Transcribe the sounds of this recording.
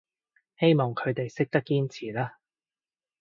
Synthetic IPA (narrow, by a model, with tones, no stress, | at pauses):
he˥jmɔː˨ŋkʰɵ˨˧ɥt̪e˨jsɪ˥k̚t̪ɐ˥kːiː˥nt͡sʰiː˨˩laː˥